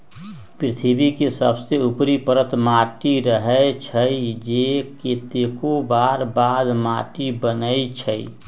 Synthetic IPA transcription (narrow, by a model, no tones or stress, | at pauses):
pɾɪt̪ʰibikesəbseupɾipəɾət̪maːʈiɾəɦət͡ʃʰəid͡ʒeket̪ekobaːɾbaːd̪maːʈibənəit͡ʃʰəi